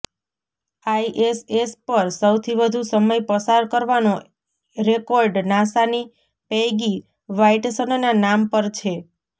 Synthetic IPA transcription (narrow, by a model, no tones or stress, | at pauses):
aiʔesespəɾsəwt̪ʰiʋəd̪ʱusəməjpəsaɾkəɾʋano | ɾekɔɾɖnãsani | pejɡi | ʋaiʈsənnanampəɾt͡ʃʰe